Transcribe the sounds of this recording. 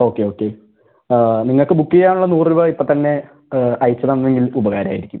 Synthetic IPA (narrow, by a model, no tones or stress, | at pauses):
o̞ːkːe̞o̞ːkːe̞ | niŋːɐɭkɨbukːijaːɳuɭːɐnuːriʋɐipːot̪ɐnːe̞ | ɐjt͡ɕːɐnɐnːe̞ŋɡilubɐɣaːɾɐaːjiɾikʲːum